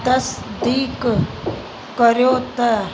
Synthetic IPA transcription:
d̪ɐsd̪iːk | kəɾjoːt̪ə

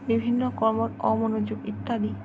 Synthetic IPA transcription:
bibʱinːɔkɔɹmɔtɔmonud͡ʑuɡit̪ːali

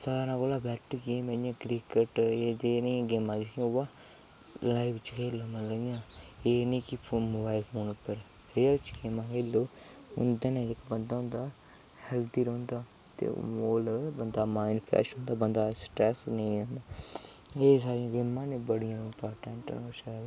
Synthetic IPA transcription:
saːɾãːkoːlaːbɛːʈɡeːmeãːkɾikəʈeːd͡ʒeːnːãːɡeːmãːd͡ʒkĩoʋaː | laːɪbt͡ʃkʰeːloːməloãːeːnĩːkipʰːmoːbaːɪlpʰoːnpəɾ | ɾeəlt͡ʃɡeːmãːkʰeːloː | ʊ̰nd̪enẽːd͡ʒekabənd̪aːɦʊ̃nd̪aː | hɛlt̪iːɾõːnd̪aː | t̪ḛmoːlbənd̪aːmaːɪnpʰɛ̰ːʃõːnd̪aːbənd̪aːsʈɾɛːsnəĩõːnd̪aː | eːsaːɾijãːɡeːmãːnẽːbəɽɪjãːɪmpaːɾʈə̃ɳʈnoːʃaːl

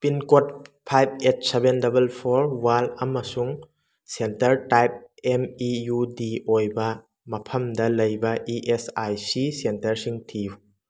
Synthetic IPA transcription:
pinkot̚pʰajb̚et̚sebendɐbɐlpʰoɾwalɐmɐsuŋ | sentɐɾtajp̚emijudiojbɐ | mɐpʰɐmdɐlɐjbɐʔiʔesajsisentɐɾsiŋtʰiju

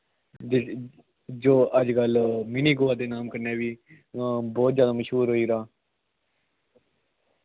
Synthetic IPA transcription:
d͡ʒoːəd͡ʒkəlminiːɡoːaːd̪eːnaːmkəɾneːʋiː | bɔːt̪zjaːd̪aːməʃɦuːɾɦoːiːɾaː

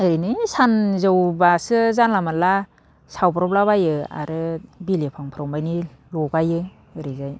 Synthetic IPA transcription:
ɯɾinɯsanzɯwbasɯzanlamala | sawpɾɔblabajɯa̰ɾɯbilepʰaŋpʰɾɔwmbajni | lɔɡajɯ | ɯɾizaj

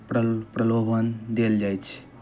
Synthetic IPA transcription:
pɾpɾəlobʱənd̪eld͡ʒajt͡ʃʰ

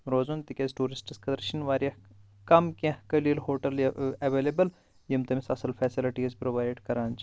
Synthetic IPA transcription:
ɾoːzunt̪ikʲezʈuːɾisʈiskɐd̪ɾʃɐnʋaːɾijɐh | kɐmkʲẽhkɐliːlɦoːʈɐliɐʋeːlebɐl | jimt̪ɐmisɐsɐlfʰɛːsiliʈizpɾoʋaːjɖkɐɾaːnt͡ʃ

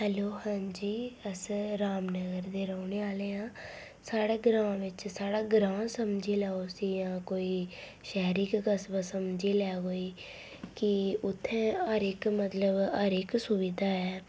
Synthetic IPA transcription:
ɦɛloːhãːɲd͡ʒiːəsɾaːmnəɡəɾd̪eːɾaʊneːaːleːãː | saːɽeːɡɾãːʋɪt͡ʃsaːɽaːɡɾãːsəmd͡ʒiːlɛːoːsiːjãːkoːiː | ʃɛːɾikɡəsbasəmd͡ʒiːlɛːɦoːiː | kɪʊt̪ʰːẽːəɾɪkmət̪ləbəɾɪksʊʋɪd̪ʱaːɛː

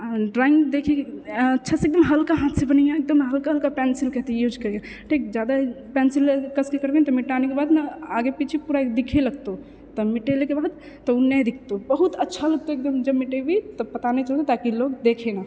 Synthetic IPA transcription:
ɖɾaɪ̃ŋɡd̪eːkʰeɐtːʃʰaseːk̚d̪əmɦəlkaɦãːt̪ʰsẽbənijãek̚d̪əmɦəlkaɦəlkapɛːnsɪlkɛɦt̪ijuːd͡ʒkəɾja | ʈʰiːk̚d͡ʒjaːd̪a | pɛːnsɪlkəskekəɾbent̪ɔmɪʈaːnikebaːd̪meaːɡepit͡ʃʰipuɾad̪ɪkʰeləɡt̪o | t̪ɔmɪʈelekebaːd̪ | t̪ɔunɛd̪ɪkʰt̪obəɦut̪ətːʃʰalɐɡ̚t̪oek̚d̪əmd͡ʒəbmɪʈebit̪ɔpɐt̪anet͡ʃəlt̪et̪aːkiloːɡd̪eːkʰena

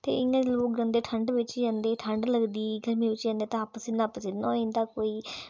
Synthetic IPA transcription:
t̪ḛːɪjãːd̪eloːkɾə̃nd̪eːʈʰəɳɖʋɪt͡ʃjãːnd̪eːʈʰəɳɖləɡd̪iːɡəɾmiːʋɪt͡ʃjãːnd̪eːt̪ãːpəsɪnãːpəsɪnoːɪ̃ːnd̪aːkoːiː

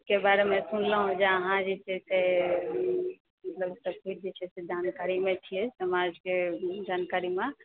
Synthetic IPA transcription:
kebaɾemesunləɦũd͡ʒeəɦãd͡ʒesese | mət̪ləbsəkut͡ʃd̪ɛt͡ʃʰɛsed͡ʒʱankaɾimet͡ʃʰijɛsəmad͡ʒked͡ʒankaɾime

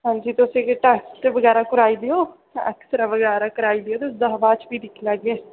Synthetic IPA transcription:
ɦãːnd͡ʒiːt̪eʊsẽːkeʈɛːksʈʋəɡɛːɾaːkʊɾaːiːd̪eoː | ə̰ksɾaːʋəɡɛːɾaːkəɾaːiːd̪ɪjoːt̪eʊsd̪aːʋaːt͡ʃbiːd̪ɪkʰlaːɡeː

